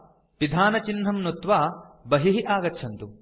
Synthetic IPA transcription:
ʋid̪ʱaːnɐt͡ʃinɦɐmnut̪ʋaːbɐɦiɦiʔaːɡɐtːʃʰɐnt̪u

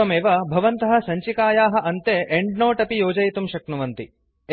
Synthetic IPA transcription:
ɐmeːʋɐbʱɐʋɐnt̪ɐɦɐ̆sɐɲt͡ʃikaːjaːɦɐ̆ʔɐnt̪eːʔeɳɖnoːʈɐpijoːd͡ʒɐjt̪umʃɐknuʋɐnt̪i

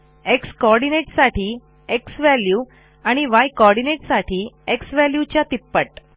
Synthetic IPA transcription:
ekskɔɾɽineʈsaʈiː | eksʋælju | aɽ̃iʋajkɔɾɽineʈsaʈʰiːeksʋæljut͡ɕjat̪ipːəʈ

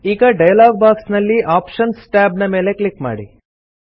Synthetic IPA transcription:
iːɡɐɖɐjɐlaːɡ̚baːksnɐlːiʔaːpʃɐnsʈaːbnɐme̞ːle̞kɭikma̰ːɽi

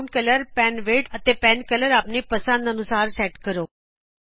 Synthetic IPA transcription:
ɳkələɾpɛnʋeːʈət̪epɛnkələɾaːpnipəsə̃nd̪ənusaːɾsɛːʈkəɾoː

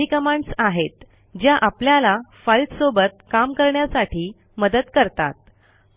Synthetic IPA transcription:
ikəmãɳɖsaɦet̪ | d͡ʑjaʔapljalafəlt̪sobət̪̚kamkəɾɳjasaʈʰiː | məd̪əd̪kəɾt̪a̰t̪̚

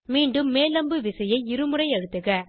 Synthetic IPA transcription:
miːɳɖɯmːeːlɐmbɯʋɪsɐjɐɪɪɾɯmɯɾɐɪɐɽɯt̪ːɯɣɐ

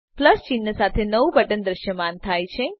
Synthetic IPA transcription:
pləst͡ʃinːəsat̪ʰenəʋubʱəʈənd̪ɾəʃjəmant̪ʰajt͡ʃʰe

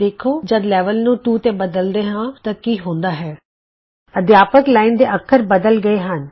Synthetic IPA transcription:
eːkʰoːd͡ʒəd̪lɛːʋəlnũːʈuːt̪eːbəd̪əld̪eːɦãːt̪ãːkiːɦõːnd̪aːɦɛː | əd̪jaːpəklaːind̪eːʔəkʰːəɾbəd̪əlɡəeːɦən

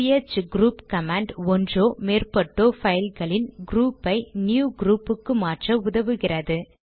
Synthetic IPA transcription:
jet͡ʃɡɾuːpkɐmaːɳɖɔndroːmeːrpɐʈːoːfɐjɐlɣɐɭɪnɡɾuːpːɐɪnjuːɡɾuːpːɯkːɯmaːʈrɐʊðɐʋɯɣɪrɐðɯ

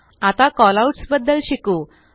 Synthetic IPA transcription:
at̪akɔlauʈsbəd̪ːəlɕiku

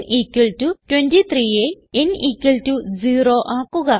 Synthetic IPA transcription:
ʔiːkːiltutwendit̪ʰriːe | enʔiːkːilʈuziːroːʔaːkːuɣɐ

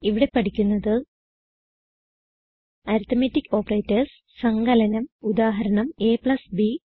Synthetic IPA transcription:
iʋiɽe̞pɐʈikʲːunːɐðɨ | ɐɾut̪ʰːɐmetːikːo̞ːpɐrejtːɐrs | sɐŋɡɐlɐnɐmud̪aːɦɐɾɐɳɐme̞ːpɭɐsbi

